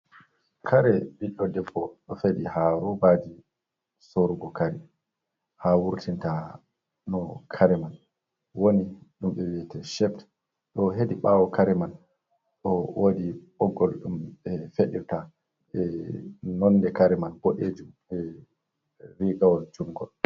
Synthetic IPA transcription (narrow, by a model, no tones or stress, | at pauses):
kʰaɾɛbiɗɔdɛbɔɗɔfedihaɾubadi | soɾuɡɔkaɾɛ | hawuɾtʰinta | nɔkʰaɾɛman | woniɗumɓɛwiɛtɛʃɛft | ɗɔɦediɓawɔkʰaɾɛman | ɗɔwoːdiɓɔɡːɔlɗumɓɛfeɗḭɾta | ɛnɔnːdɛkaɾɛmanboʔed͡ʒum | ɛ | ɾiɡawɔld͡ʒuŋɡɔ̰l